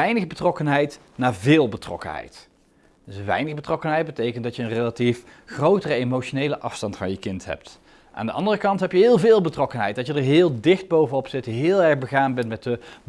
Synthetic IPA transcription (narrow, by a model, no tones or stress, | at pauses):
ɛjnəχbətrɔkənɦɛjt | naːɹvɪːlˠbətrɔ̰kə̰nɦɛ̰jt | d̥əsəʋɛ̰jnəɣbətrɔkənɦɛjt̚bətejkəntdɑtjəənrejlatifχrowtərəemoʃonejləʔɑfstɑntfɑnjəkɪntɦɛ̰p̚t | ʔa̰ːndəʔɑ̰ndərəkɑntɦɛpjəɦɪːlˠvɪːlˠbətrɔkənɦɛjt̚d̥ɑtjədəɹɦɪːlˠdɪχd̚bowvənɔpsɪtɦɪːlˠɛɹbəɣaːnbɛntmɛtə